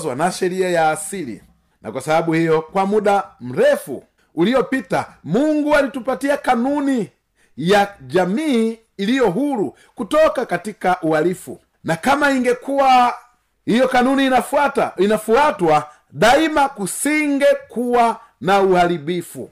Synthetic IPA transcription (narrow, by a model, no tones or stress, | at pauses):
zwanaʃɛɾiajaːsilḭ | nʔa̰kwasabaɓuhijɔkwamuɗam̩ɾɛfṵ | ulijɔpita̰muŋɡualitupatiakanuni | jad͡ʒamiː | lijɔɦuɾu | kutɔkakatikaʔualifṵ | nakamaiŋɡɛkuwa | hijɔkanuni | inafuatwa | ɗaimakusiŋɡɛkuwa | nauhalibifṵ